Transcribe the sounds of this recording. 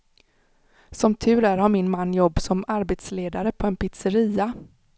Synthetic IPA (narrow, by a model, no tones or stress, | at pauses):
sɔmt̪ʰʉ̟ːɾæːɾhaɾmɪnmanːjɔbːsɔmaɾbeːt̪sleːd̪aɾəpʰɔɛnpʰɪt̪səɾiːa